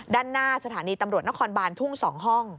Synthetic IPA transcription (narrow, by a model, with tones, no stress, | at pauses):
daː˥˩nːaː˥˩sa˧t̪ʰaː˩˦niː˧t̪a˧mɾu˨˩ə˩t̪̚na˦˥kʰɔː˧nbaː˧nt̪ʰu˥˩ŋsɔː˩˦ŋɦɔ˥˩ŋ